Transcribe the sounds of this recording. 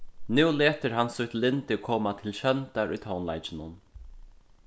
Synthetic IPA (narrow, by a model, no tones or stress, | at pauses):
nʉwleːt̪əɾɦansʊht̪lɪnt̪ɪkʰɔːmat̪ʰɪlɕœnt̪aɾʊ̰jt̪hɔnla̰jt͡ʃɪnʊn